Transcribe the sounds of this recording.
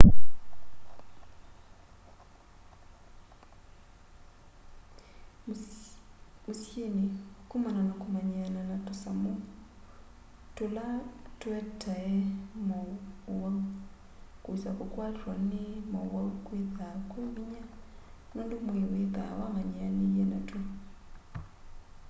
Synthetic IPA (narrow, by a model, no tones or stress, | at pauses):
musjenikumananakumaɲananatusamu | tulatwetʰajemowa | kusakukwaliɾwanemowaukwiðakweβiɲanondimwiweka̰wamaɲianijenatu